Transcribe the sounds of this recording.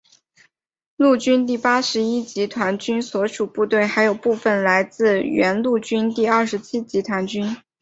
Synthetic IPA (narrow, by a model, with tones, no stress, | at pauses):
lu˥˩t͡ɕy˥nt̪̬i˥˩pa˥ʂɻ̩˧˥i˥t͡ɕi˧˥t̪ʰwa˧˥nt͡ɕy˥nswɔ˧˥ʂu˨˩pu˥˧t̪we˥˩ɪxa˧˥ɪjo˨˩ʊpu˥˧fə˥˩nla˧˥ɪt͡sɹ̩˥˩ɥɛ˧˥nlu˥˩t͡ɕy˥nt̪i˥˧ɐ˞˥˩ʂɻ̩˧˥t͡ɕʰi˥t͡ɕi˧˥t̪ʰwa˧˥nt͡ɕy˥n